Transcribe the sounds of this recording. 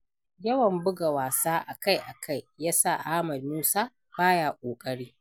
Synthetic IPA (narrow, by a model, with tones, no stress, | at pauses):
jɐ˦wɐ˨mbʊ˦ɡa˨waː˨saː˦ʔa˨ka˦jʔa˨kʰa˦˨jjaː˦sa˦˨ʔa˦mɐ˨d̚muː˦saː˦ | b̥aː˦jaː˨kʷʼoː˨kʼɐ˦ɽiː˦